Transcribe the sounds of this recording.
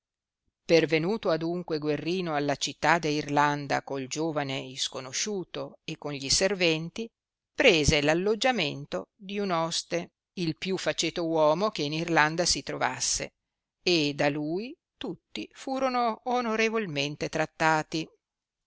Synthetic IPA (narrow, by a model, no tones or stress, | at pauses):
pervenuːt̪oad̪uŋkweɡwerːiːnoalːat͡ʃit̪ːad̪elirland̪a̰kold͡ʒoːvaneiskonoʃuːt̪oekːonʎiservɛnt̪i | pɾeːzelalːod͡ʒːament̪od̪iunɔst̪e | ilpjufːat͡ʃeːt̪owɔːmok̟einirland̪asit̪ɾova̰sːḛ | ed̪aluːj | t̪ut̪ːifuːɾonoːnoɾevolment̪et̪ɾat̪ːaːt̪i